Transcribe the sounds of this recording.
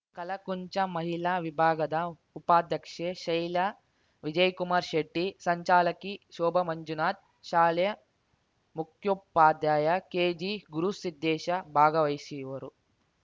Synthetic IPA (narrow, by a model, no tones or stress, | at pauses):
kɐlɐkuɲt͡ʃɐmɐɦilaʋibʱaːɡɐd̪ɐ | upaːd̪jɐkʂeːʃɐjlɐ | ʋid͡ʒɐjkumaːɾʃeʈːisɐɲt͡ʃaːlɐkiʃɔːbɐmɐɲd͡ʒunaːt̪̚ | ʃaːljɐ | mukʰjupːaːd̪jaːjɐkeːd͡ʒiɡuɾusid̪ːeːʃɐbʱaːɡɐʋɐjsijʋɐɾu